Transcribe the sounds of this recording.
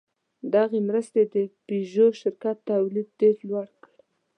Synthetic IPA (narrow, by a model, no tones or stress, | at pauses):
d̪ɑɣemɾəst̪ed̪əpiʒoʃɪɾkat̪ːawlid̪̚ɖeɾlwaɽkəɽ